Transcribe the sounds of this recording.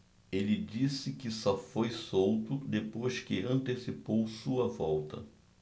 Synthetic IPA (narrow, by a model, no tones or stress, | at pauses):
elɪd͡ʒisɪkɪsɔfojsowt̪ʊd̪epojʃkɪɐ̃nt̪esipowsuɐvɔwt̪ɐ̰